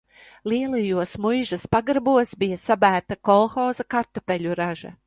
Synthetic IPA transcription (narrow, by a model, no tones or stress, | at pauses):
lˠiɛlˠajuɔsmujʒɐspaɡɾbuɔsbijɐsabæːt̪akɔlˠxɔːzakaɾt̪apɛʎʲuɾaʒɐ̰